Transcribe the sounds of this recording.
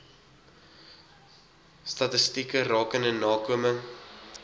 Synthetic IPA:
stɐtəstikərɑːkəndənɑːkuəməŋ

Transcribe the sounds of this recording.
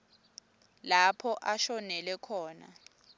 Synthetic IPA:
lapʰɔʔaʃɔnɛlɛkʰɔːna̰

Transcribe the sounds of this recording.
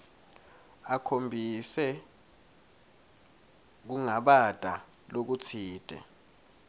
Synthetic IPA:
akʰombʱisɛ | k̬uŋaɓad̥ʱa | lok̬ut͡sʰiːd̥ʱʼɛ̰

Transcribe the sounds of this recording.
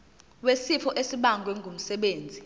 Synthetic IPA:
wesifʰɔʔesiɓaŋɡʱwɛŋɡʱum̩sɛɓeːnd͡zʱi

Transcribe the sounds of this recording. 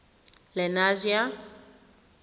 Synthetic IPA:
lɛnazia

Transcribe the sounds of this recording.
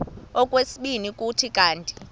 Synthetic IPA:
ɔkʼwesiɓinikʼutʰikʼaːntʼi̥

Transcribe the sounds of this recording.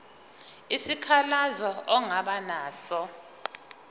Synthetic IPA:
isikʰalazɔɔŋaɓanaːsɔ

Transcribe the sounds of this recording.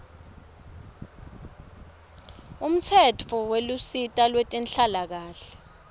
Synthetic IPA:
um̩t͡sʰɛtʰɔwelusitʼalwetʼinɬalak̬aːɬɛ̥

